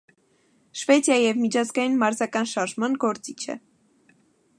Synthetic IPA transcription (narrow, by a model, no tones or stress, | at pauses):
ʃvɛt͡sjɑjijɛvmit͡ʃʰɑzɡɑjinmɑɾzɑkɑnʃɑɾʒmɑnɡɔɾt͡sit͡ʃʰɛ̰